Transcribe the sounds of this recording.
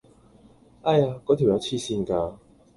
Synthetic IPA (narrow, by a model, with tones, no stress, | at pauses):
ʔa˧jaː˧kɔː˨˥t̪ʰi˨˩wjɐ˨˧wt͡sʰiː˧siː˧nkaː˧